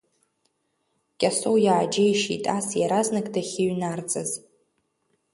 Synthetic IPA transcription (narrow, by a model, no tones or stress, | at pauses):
kʲʼasowjaːd͡ʒejʃḭtʼasjaɾaznɨkʼdaχʲɪɥnart͡sʼɨz